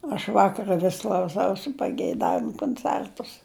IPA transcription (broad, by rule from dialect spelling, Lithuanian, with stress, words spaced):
ɐʃ ˈʋɑːkɐrɐ ʋʲɪs klˠɐʊˈsɐʊsʲɪ pɐɡʲɛɪˈdɑːʋʲɪmʊ koːnʲˈt͡sʲɛrtʊs